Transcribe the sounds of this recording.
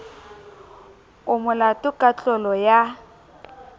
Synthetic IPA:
ʊmʊlatʼʊkʼat͡ɬʼɔlɔja

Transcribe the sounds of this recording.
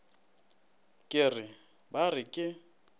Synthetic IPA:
kʼɪrɪ | barɪkʼɪ

